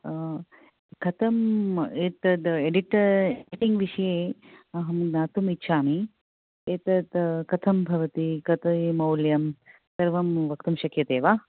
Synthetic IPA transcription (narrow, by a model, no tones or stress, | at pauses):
kʰɐt̪ʰɐmeːt̪ɐd̪eɖiʈɐɾiʈiŋɡʋiʂɐjeːɐɦɐmnaːt̪umitːʃʰaːmi | eːt̪ɐt̪kɐt̪ʰɐmbʱɐʋɐt̪ikɐt̪ɐmɐwljɐm | sɐɾʋɐmʋɐkt̪umʃɐkʰjɐt̪eːʋaː